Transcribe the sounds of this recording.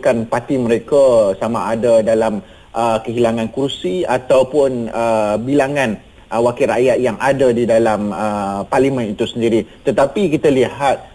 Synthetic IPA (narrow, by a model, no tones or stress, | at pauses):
kanpat̪iməɾekasamaːdadalam | ʔəkəɦilaŋãnkursiat̪awpʊnəbilaŋan | wakiɾaʔjat̪̚jaŋadadidalaməparlimə̃nit̪usəndiɾit̪ət̪apikit̪alihat̪̚